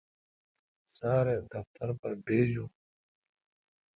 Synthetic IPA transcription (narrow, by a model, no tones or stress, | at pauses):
saːɾeːd̪ɐft̪ɐɾpɐɾbeːzuː